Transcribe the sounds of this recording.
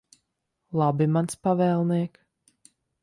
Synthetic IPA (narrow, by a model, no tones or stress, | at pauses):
lˠabimanspavɛːlˠniɛk